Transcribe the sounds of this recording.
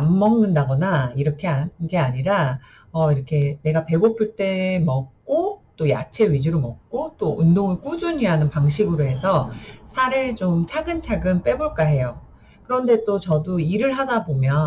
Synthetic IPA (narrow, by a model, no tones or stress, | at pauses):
amːʌŋnɯndaɡʌnaiɾʌkʰe̞aɡe̞aɲiɾa | ʌiɾʌkʰe̞ne̞ɡape̞ɡopʰuɭt͈e̞mʌk̚k͈ot͈oja̰t͡ɕʰe̞ɥid͡ʑuɾomʌk̚k͈ot͈oundoŋɯɭk͈ud͡ʑuɲianɯnpaŋɕʰiɡɯɾoɦe̞sʰʌsʰaɾɯɭt͡ɕomt͡ɕʰaɡɯnt͡ɕʰaɡɯnp͈e̞boɭk͈aɦe̞jo | kɯɾʌnde̞t͈ot͡ɕʌdoiɾɯɭɦadabomjʌ